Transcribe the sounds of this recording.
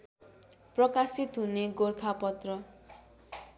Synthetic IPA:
prʌkasit̪ɦuneɡorkʰapʌt̪rʌ

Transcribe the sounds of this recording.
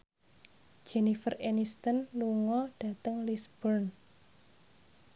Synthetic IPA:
d͡ʒɛnifərenist̪ənluŋɔɖ̥a̤t̪əŋlisb̥ɔrn

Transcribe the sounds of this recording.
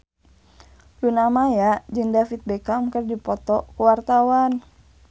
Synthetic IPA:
lunamajad͡ʒɨŋdafit̪̚bɛkamkərdipɔt̪ɔkuwart̪awan

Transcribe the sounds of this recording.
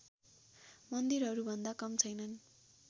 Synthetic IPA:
mʌnd̪iɾɦʌɾubʱʌnd̪akʌmt͡sʰʌjnʌn

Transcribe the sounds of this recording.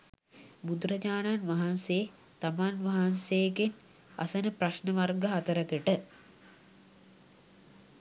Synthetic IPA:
bud̪ɾɐd͡ʑaːnanʋaɦanse | t̪amanʋaɦansejeken | a̰sənəpraʃnəʋarɡəɦat̪əɾəkəʈə

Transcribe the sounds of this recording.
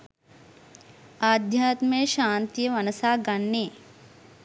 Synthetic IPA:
aːd̪ʱjaːt̪meːʃaːnt̪ijəʋɐnɐsaːɡɐnːeː

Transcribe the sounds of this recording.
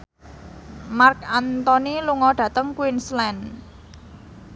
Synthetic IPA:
markant̪ɔniluŋɔɖ̥ä̤t̪əŋkwinslɛn

